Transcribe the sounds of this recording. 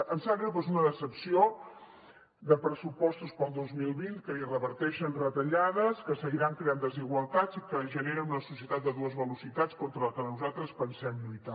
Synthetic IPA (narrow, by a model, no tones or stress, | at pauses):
ənsakɾəpezunəðəsəpsio | d̪əpɾəsupɔst̪uspəlˠd̪ozmilˠβint̪̚kəirəβəɾt̪ɛʃənrət̪əʎaðəskəsəɣiɾaŋkɾeand̪əziɣwəlˠt̪ad͡zikəʒəneɾənunəsusiət̪at̪̚d̪əðuəzβəlusit̪at͡skɔnt̪ɾələkənuzat̪ɾəspənsɛmlujt̪a